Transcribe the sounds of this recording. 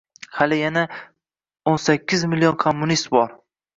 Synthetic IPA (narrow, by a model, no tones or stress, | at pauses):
halɪjana | onsakʲːɪzmɪlːionkʰomːʊnist̪̚bɒɾ